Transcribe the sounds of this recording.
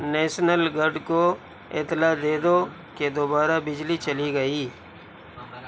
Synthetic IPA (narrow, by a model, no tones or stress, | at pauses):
nɛːʃnəlɡəɖko | ɪ̰t̪lad̪eːd̪o | ked̪oːbaːɾabɪd͡ʒlit͡ʃəliɡəiː